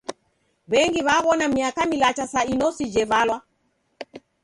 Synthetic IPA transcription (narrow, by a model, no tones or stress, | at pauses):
βɛŋɡiβaβɔnamiakamilat͡ʃasainɔsid͡ʒɛvalwa